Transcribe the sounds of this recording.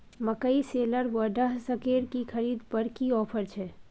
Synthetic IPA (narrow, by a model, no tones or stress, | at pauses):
məkəiseːləɾwəɖəɦsəkeːɾkixʰɐɾiːd̪pəɽkiɔːpʰəɾt͡ʃʰɛ